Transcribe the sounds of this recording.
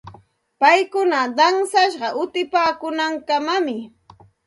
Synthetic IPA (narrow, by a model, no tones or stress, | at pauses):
pajkʊnad̪ɑŋsaʃɢɑʔʊt̪ɪpaːkʊnaŋkamamɪ